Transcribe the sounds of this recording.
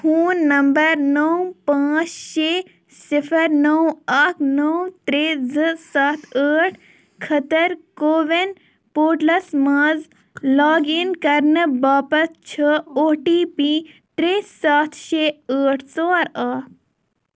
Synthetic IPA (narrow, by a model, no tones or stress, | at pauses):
huːnːɐmbəɾnəwpãːt͡ʃʃeː | sɪpʰəɾnəwakʰnəwt̪ɾeːzɨsaːt̪ʰəːʈʰ | kʰɐt̪ɐɾkoːʋen | poːʈlɐsmãːz | laːɡinkɐɾnɨbaːpɐst͡ʃʰəoːʈiːpi | t̪ɾeːsaːt̪ʰʃeːəːʈʰsoːɾaː